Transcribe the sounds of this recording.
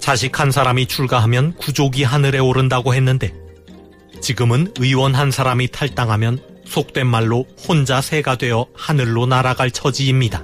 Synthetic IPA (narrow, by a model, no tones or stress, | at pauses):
t͡ɕaɕ̬ʰikʰansʰaɾamit͡ɕʰuɭɡaɦamjʌnkud͡ʑoɡiɦanɯɾe̞oɾɯndaɡoɦe̞nːɯnde̞ | t͡ɕiɡɯmɯnɯiwʌnɦansʰaɾamitʰaɭt͈aŋɦamjʌn | sʰok̚t͈we̞nmaɭːohond͡ʑasʰe̞ɡadwe̞jʌhanɯɭːonaɾaɡaɭt͡ɕʰʌd͡ʑiːmɲida